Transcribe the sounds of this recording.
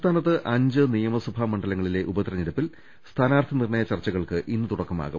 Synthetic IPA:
t̪ʰaːnɐt̪ːɨʔɐɲd͡ʑɨnijɐmɐsubʱamɐɳɖɐlɐŋːɐɭile̞ʔubɐt̪rɐniɾɐpːil | st̪ʰaːnaːrt̪ʰɐnirɳɐjɐt͡ɕɐrt͡ɕːɐɣɐɭkɨʔinːɨt̪uɽɐkːɐma̰ːɣu

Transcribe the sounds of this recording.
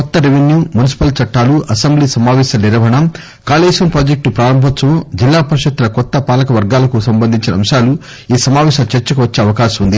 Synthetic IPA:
kɔt̪ːɐɾeʋenjuːmunisi̥pɐlt͡ʃɐʈːaːluʔɐsembliːsɐmaːʋɛːʃɐniɾɐʋɐɳɐ | kaːleːʃɐnpɾaːd͡ʒek̚ʈupɾaːɾɐmbʱɐt̪ːɐmod͡ʒilːaːpɐɾiʃɐt̪ːulɐkɔt̪ːɐpaːlɐkɐʋɐɾɡaːlɐkusɐmbɐnd̪ʱiɲt͡ʃinɐmʃaːlu | iːsɐmaːʋɛːʃɐt͡ʃeɾt͡ʃɐkuʋɐt͡ʃːeːɐʋɐkaːʃɐmund̪i

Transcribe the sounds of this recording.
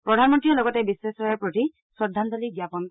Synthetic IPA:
pɹɔdʱanmɔntɹiɔlɔɡɔtɛbisesɔɹaɹpɹoti | sɔdʱːantɔliɡjapɔn

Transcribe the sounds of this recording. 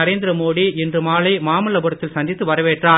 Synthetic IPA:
ɐɾeːnd̪ɪɾɐmoːɽiɪndrɯmaːlɐɪmaːmɯlɐbɯɽɐt̪ːɪlsɐnd̪ɪt̪ːɯʋɐɾɐʋeːʈraː

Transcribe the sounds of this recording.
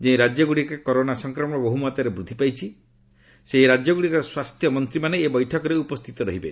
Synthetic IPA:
d͡ʒẽj̃ɾad͡ʒɔɡuɽikekɔɾonasɔŋkɾɔmɔɽ̃ɔboɦumat̪aɾebɾud̪ʱːipajt͡ʃʰi | seɦiɾad͡ʒjɔɡuɽikɔswast̪ʰjɔmɔnt̪ɾimaneːbɔjʈʰɔkɔɾeupɔst̪ʰit̪ɔɾɔɦibe

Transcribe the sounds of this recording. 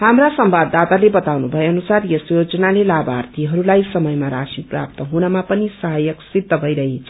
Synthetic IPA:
hamrasʌmbad̪at̪alebʌt̪awnubʱʌeʌnusarjesjod͡zʌnalelabart̪ʰiɦʌɾulajsʌmʌjmaɾasiprap̚t̪ʌɦunʌmapʌnisʌɦajʌksid̪ʱːʌbʱʌjɾʌɦet͡sʰ

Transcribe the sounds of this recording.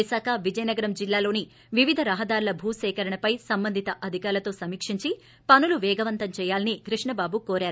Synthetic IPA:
isaːkɐʋid͡ʒɐjnɐɡɐɾɐmd͡ʒilːaːlo̞ːni | ʋiʋid̪ʱɐɾɐɦɐd̪aːɾulɐbʱuːsɛːkɐɾɐɳɐpɐjsɐmbɐnd̪ʱit̪ɐʔɐd̪ʱikaːɾɐlɐt̪o̞ːsɐmiːkʂiɲt͡ʃi | pɐnuluʋɛːɡɐʋɐnt̪ɐmt͡ʃɛːjaːlɐniɡɾiʂɳɐbaːbukoːɾaːɾu

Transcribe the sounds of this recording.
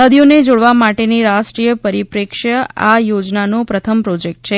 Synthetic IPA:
əd̪ijoned͡ʒoɽʋamaʈeniɾaʃʈɾijəpəɾipɾekʃəajod͡ʒnanopɾət̪ʰəmpɾɔd͡ʒek̚ʈ̚t͡ʃʰe

